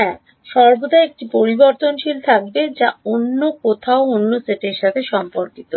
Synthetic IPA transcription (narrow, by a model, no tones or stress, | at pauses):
ɛ | ʃɔɾbod̪aek̚ʈipoɾiboɾt̪onʃilt̪ʰak̚bed͡ʑaonːokot̪ʰaoonːoseʈeɾʃat̪ʰeʃɔmpoɾkit̪o